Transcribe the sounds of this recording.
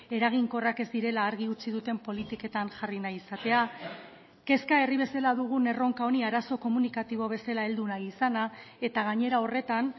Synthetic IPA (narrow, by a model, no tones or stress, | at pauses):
e̞ɾaɣ̞iŋko̞rake̞zd̪iɾe̞laːɾɣ̞iut͡siðut̪e̞mpo̞lit̪ike̞t̪anʝarinajisat̪e̞a | ke̞skae̞riβ̞e̞salaðuɣ̞une̞ro̞ŋkao̞niaɾaso̞ko̞munikat̪iβ̞o̞β̞e̞salae̞ld̪unajisana | e̞t̪aɣ̞aɲe̞ɾao̞re̞t̪an